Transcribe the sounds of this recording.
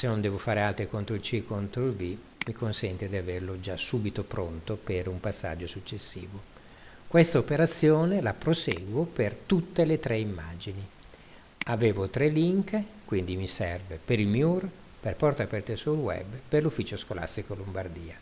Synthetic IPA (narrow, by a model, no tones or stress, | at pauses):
senːond̪ɛːvofaːɾealt̪ɾikont̪ɾoilt͡ʃikont̪ɾoilbi | mikonsɛnt̪ed̪iaverlod͡ʒasuːbit̪opɾont̪opeɾumpasːa̰d͡ʒːosut͡ʃːesːḭːvo | kwest̪aopeɾat̪sːjoːnelapɾoseːɡwopert̪ut̪ːelet̪ɾɛimːa̰ːd͡ʒini | aveːvot̪ɾɛliŋkkwind̪imisɛrvepeɾilmjur | perpɔrt̪apɛrt̪esulwɛ̰bperlufːiːt͡ʃoskolʔa̰st̪ikolombard̪iːa